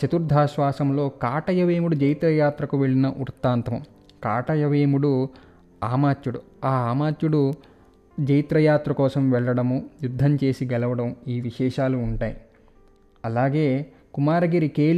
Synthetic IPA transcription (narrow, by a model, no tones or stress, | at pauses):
t͡ʃɐt̪uɾd̪ʱaːʃʋaːsɐmlo̞ːkaːʈɐjɐʋeːmuɽud͡ʒɐjt̪ɾɐjaːt̪ɾɐkuʋeɭːinɐʔuɾt̪ːaːnt̪ɐmɐm | ka̰ːʈɐjɐʋeːmuɽu | aːmaːt̪juɽu | aːaːmaːt̪juɽu | d͡ʒɐjt̪ɾɐjaːt̪ɾɐkɔːsɐmʋɛɭːɐɽɐmujud̪ʱːɐɲt͡ʃe̞ːsiɡɛlɐʋɐɽɐmuiːʋiʃɛːʃaːluːɳʈaːj | ɐlaːɡeː | kumaːɾɐɡiɾikeː